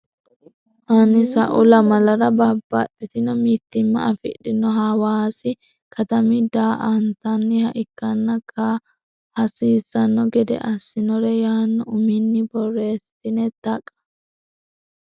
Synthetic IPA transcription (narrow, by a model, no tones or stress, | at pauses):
hɐnɪsɐʔʊlɐmɐlɐɾɐbɐbːɐ̰ɗɪt̪ɪnɔmiːt̪ːɪmːɐ̰ɐfɪ̰ᶑɪnːɔɦaːwaːsɪ | kʰɐt̪ɐmɪd̪aːʔɐnt̪ɐnːɪhɐʔɪkːɐnːɐkʰa | hɐsiːsːɐnːɔɡɛd̪ɛ̰ʔɐsːɪnɔɾɛjaːnːɔʊmɪnːɪbɔrːeːst̪ɪnɛt̪ɐkʼːɐ̥